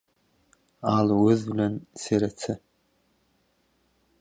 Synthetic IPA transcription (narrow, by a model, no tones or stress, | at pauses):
alwʊzlanseɾat͡sʰɨ